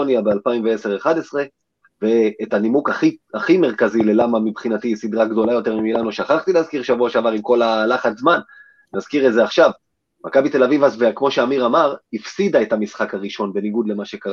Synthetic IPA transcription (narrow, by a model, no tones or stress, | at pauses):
onjabealpaimveese̞ʁeχade̞sʁe̞ | ve̞ːtanimukaχiaχimeʁkazile̞lamamipχinatisid̪ʁaɡdo̞lajo̞t̪e̞ʁmimilanuʃaχaχt̪ileazkiʁʃavuaʃeavaʁimko̞lalaχat̪zman | nazkiʁetzeaχʃav | mʔakabit̪e̞lavivazvekmo̞ʃeamiʁamaʁifsid̪aetamisχakaʁiʃo̞nbe̞niɡud̪le̞maʃe̞kaʁa